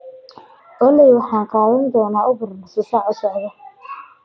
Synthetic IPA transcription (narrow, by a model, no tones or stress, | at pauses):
ʔɔlɛjwɑħɑːnqɑːðɐnd̪ɔːnaːʔʊbʊrnɐsɪsaːʕʊsɔʕðɐ